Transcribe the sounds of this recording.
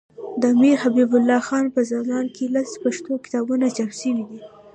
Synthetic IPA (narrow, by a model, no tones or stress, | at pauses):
d̪əmiɾhabibʊlːɑxɑnpəzɑmɑnkʰelaspaʃt̪okɪ̥t̪ɑbunat͡ʃamsimid̪i